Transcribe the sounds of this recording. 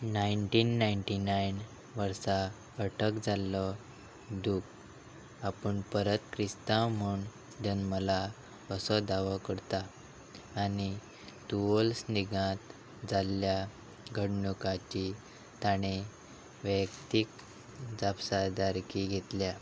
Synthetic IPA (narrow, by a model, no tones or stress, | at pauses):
naiɳʈiːnːaiɳʈinain | ʋəɾsa | ɡəʈəkd͡zalɔ | d̪uk | apəɳpəɾət̪kɾist̪ãm̤uːɳ | d͡ʑənməla | əsɔd̪aʋəkəɾt̪aː | ni | t̪uolsniɡãt̪ | d͡zalːja | ɡʱəɽɳukat͡ɕi | t̪aɽ̃e | ʋəkt̪ik̚ | d͡zapsad̪aɾkiɡʱet̪lja